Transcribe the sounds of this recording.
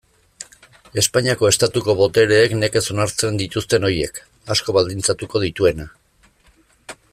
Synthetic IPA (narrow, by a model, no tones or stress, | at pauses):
e̞spaɲiako̞e̞st̪at̪uko̞βo̞t̪e̞ɾe̞ːkne̞ke̞so̞naɾt͡se̞nd̪it̪ust̪e̞no̞ɾje̞̰k | asko̞βald̪int͡sat̪uko̞ð̞it̪ue̞na